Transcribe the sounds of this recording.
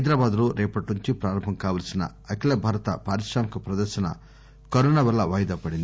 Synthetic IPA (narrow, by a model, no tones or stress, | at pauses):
ɐjd̪ɾaːbaːd̪luɾɛːpɐʈnuɲt͡ʃipɾaːɾɐmbʱɐmkaːʋɐlɐsinɐ̰ | ɐkilɐbʱɐːɾɐt̪ɐpaːɾiʂɾaːmɐkupɾɐd̪ɐɾʃɐnɐ̰ | kɐɾɔːnaːʋɐlːɐʋɐjɐd̪ɐpɐɽind̪